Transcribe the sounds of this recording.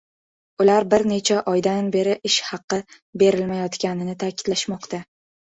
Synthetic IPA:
ʊlaɾbɪɾne̞t͡ʃʰaʔɒjd̪anbe̞ɾɪʔɪʃhɑqːɨ | be̞ɾɪlmajɒt̪kʲanɪnɪt̪ʰakʲʰɪ̥d̪̥laʃmɒqt̪a

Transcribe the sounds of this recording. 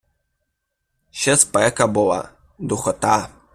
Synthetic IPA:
ɕɛspɛkabɔwa̰ | d̪uxɔt̪a

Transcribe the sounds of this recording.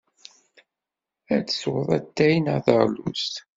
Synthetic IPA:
æt͡sːə̥swəðˤæ̰t̪ːæjnəðəʁlṵst̪

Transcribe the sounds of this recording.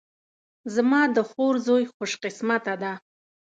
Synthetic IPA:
zmɑd̪əxoɾzojχʊʃqɪsmat̪ad̪a

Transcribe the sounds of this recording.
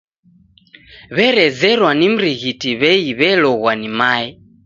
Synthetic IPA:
βɛɾɛzɛɾwanim̩ɾiɣitiβɛiβɛlɔɣwanimaɛ

